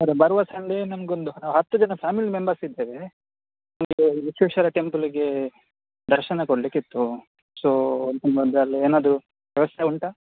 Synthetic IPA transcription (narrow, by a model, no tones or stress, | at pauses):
sɐɾebɐɾʋɐsɐɳɖenɐmɐɡeond̪unaːʋɦɐt̪ːud͡ʒɐnɐpʰaːmilmembɐɾsid̪ːeːʋe | nɐmɐɡeit͡ʃːuʃɐɾɐʈe̞mpuliɡe̞ | d̪ɐɾʃɐnɐkoɽlikit̪ːu | soːnɐmɡond̪ɐlːieːnaːd̪ɾu | ʋjɐʋɐsjɐuɳʈɐ